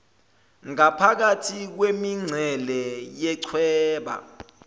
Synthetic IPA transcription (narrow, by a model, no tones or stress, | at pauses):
ŋapʰak̬atʰik̬wemiŋ͡ǀʱɛlɛjɛǀʰwɛːɓa̰